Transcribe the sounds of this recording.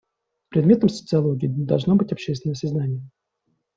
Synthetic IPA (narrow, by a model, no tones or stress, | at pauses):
pɾʲɪd̪mʲe̞t̪əmsə̥t̪sɨɐlˠoɡʲiːd̪ɐ̰lˠʐno̞bɨtʲɐpɕːest̪vʲɪnəsʲɪznanʲɪjə